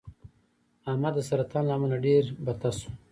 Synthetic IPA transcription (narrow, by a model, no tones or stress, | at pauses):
amad̪əsaɾat̪anlamanaɖeɾbat̪asu̥